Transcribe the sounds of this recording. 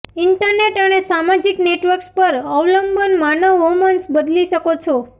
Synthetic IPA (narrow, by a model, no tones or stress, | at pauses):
ɪɳʈəɾneʈənesamad͡ʒikneʈʋəɾkspəɾəʋləmbənmanəɦomənsbəd̪liʃəkot͡ʃʰo